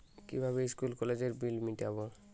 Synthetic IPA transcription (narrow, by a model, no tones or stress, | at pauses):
kḭbʱaβeiskulkɔled͡ʑeɾbilmiʈaβo